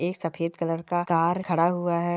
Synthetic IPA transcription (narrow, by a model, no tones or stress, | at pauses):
eːksɐfʰeːd̪kələɾkakaːɾkʰɐɽaɦuaɦɛ